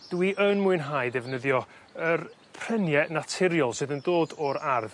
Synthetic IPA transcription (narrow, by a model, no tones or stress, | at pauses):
d̥wiʔənmuɨnɦajdɛvnəðjɔər | pʰr̥ɛnjɛnatʰɪɾjɔlˠsɨðəndoːdɔɾarð